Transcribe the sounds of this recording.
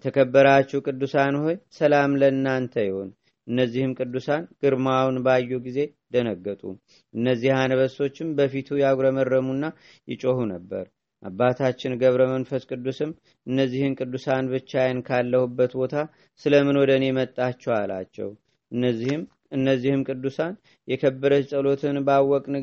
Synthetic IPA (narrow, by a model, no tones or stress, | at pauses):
t̪ʰəkʰəbːəɾat͡ʃːɛwkʼɨd̪ːusanho̞jsəlamlənːant̪ʰəjɪho̞n | ʔɨnːəzːihɨmkʼɨd̪ːusanɡ̥ɨɾmawnbajːuɡize̞d̪ənəɡːət̪ʼṵ | ʔɨnːəzːihanəβəso̞t͡ʃːɪmbəfit̪ʰujaɡɾəmərːəmunːa | jɪ̰t͡ʃʼohunəbːə̰ɾ | ʔa̰bːat̪ʰat͡ʃːɪnɡəβɾəmənfəskʼɨd̪ːusɨm | ʔɨnːəzːihɨnkʼɨd̪ːusanbɨt͡ʃːajɛnkʰalːəhubːət̪bo̞t̪ʰa | sɨləmɨnwɔd̪ənemət̪ʼːat͡ʃːɛwala̰t͡ʃːɛ̰w | nːm | ɨnːəzːihɨmkʼɨd̪ːusan | jɛkʰəbːəɾəsʼəlo̞t̪ʰɨnbawːɔkʼnɨ